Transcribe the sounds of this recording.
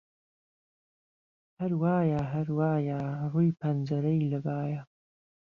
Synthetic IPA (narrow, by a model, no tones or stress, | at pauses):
hɐɾwaːjaɦɐɾwaːjaruːjpʰɐnd͡ʒɐɾɐjlɐbaːja